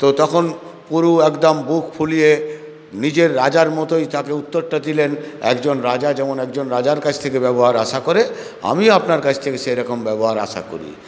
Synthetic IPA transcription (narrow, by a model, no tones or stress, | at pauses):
t̪ot̪ɔkʰon | puɾuɛkd̪ambukʰpʰulije | nid͡ʑeɾːad͡ʑaɾmɔt̪ojt̪akeut̪ːoɾʈad̪ilenɛ̰kd͡ʑonɾad͡ʑad͡ʑɛmonɛk̚d͡ʑonɾad͡ʑaɾkat͡ɕʰt̪ʰekebɛboɦaɾaʃakoɾe | a̰miapnaɾkat͡ɕʰt̪ʰekeʃejɾɔkombɛboɦaɾa̰ʃa̰ko̰ɾḭ